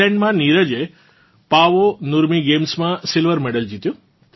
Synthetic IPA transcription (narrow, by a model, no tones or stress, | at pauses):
ɛ̃ɳɖmãniɾəd͡ʒe | paʋonuɾmiɡemsmãsɪlʋəɾmɛɽəld͡ʒit̪jõ